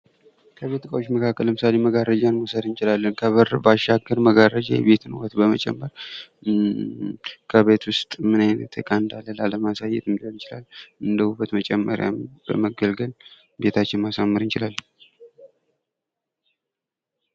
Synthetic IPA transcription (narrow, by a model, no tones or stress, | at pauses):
kʰəβe̞t̪kʼəwot͡ʃːməkʰakːələmɨsale̞məɡaɾəd͡ʒanməsəɾɨnt͡ʃɪlalːənkʰəβəɾbaʃaɡəɾməɡaɾəd͡ʒa̰jɛ̰βe̞t̪ɨnwɔt̪bəmət͡ʃʼɛ̰mːəɾ | kʰəβe̞t̪wʊst̪ʼmɨnajnət̪ʰə̰kʼand̪alːəlaləmasajːɛ̰t̪ɨmd̪əlt͡ʃɪla̰lːʔɨnd̪əhubət̪mət͡ʃʼɛmːəɾja̰mbə̰məɡəlɡəl | bet̪ʰat͡ʃːɪnmasamːɨɾɨnt͡ʃɪlalːə